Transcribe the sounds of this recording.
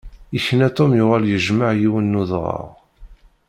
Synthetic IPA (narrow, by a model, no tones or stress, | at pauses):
içənæt̪ˤomjʊʁæljəʒmaʕjiwənːuðʁɑ̰ʁ